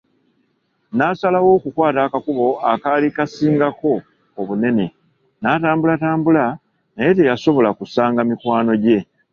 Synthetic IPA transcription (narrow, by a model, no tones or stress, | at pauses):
naːsalawo̞kukwaːtakakuβo̞akalikasiːŋɡako̞ː | βune̞ne̞ | nataːmbulataːmbula | naje̞t̬ejaso̞βo̞lakusaːŋɡamikwaːno̞ɟe̞